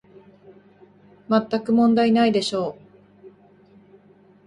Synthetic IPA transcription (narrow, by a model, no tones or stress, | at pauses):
mat̪ːakɯ̟mõ̞nd̪ainaid̪e̞ɕo̞ː